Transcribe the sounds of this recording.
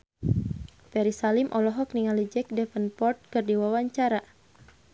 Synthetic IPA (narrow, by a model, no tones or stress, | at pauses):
pɛɾisalimʔɔlɔɦɔk̚niŋalid͡ʒɛk̚dɛfənpɔrt̪̚kɨrdiwawaɲt͡ʃaɾa